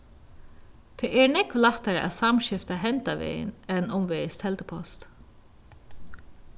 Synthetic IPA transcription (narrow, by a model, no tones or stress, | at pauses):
t̪ʰɛːʔɛɹnɛkʋlaht̪aɹəʔæ̰ðsamʃɪft̪aɦɛnt̪aʋḛːjɪ̰nɛnʊmʋeːjəst̪ʰhɛlt̪əpʰɔst̪